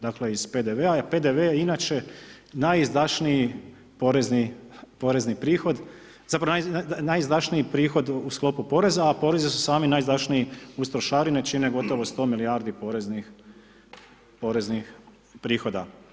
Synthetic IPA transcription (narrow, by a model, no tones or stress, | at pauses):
d̪akle̞iz̥pe̞d̪eʋeape̞d̪eʋeinaːt͡ʃe̞ | najzd̪aʃnii | poɾeznipo̞ɾe̞znipɾiːxo̞d̪ | z̥apɾaʋonajnajzd̪aʃniipɾiːxo̞d̪usklo̞pupo̞ɾe̞zaːpo̞ɾe̞zisu̥saːminajzd̪aʃniiust̪ɾoʃaːɾinet͡ʃine̞ɡot̪o̞ʋo̞st̪o̞ːmilijaːɾd̪ipo̞ɾeznix | po̞ɾe̞znix | pɾiːxo̞d̪a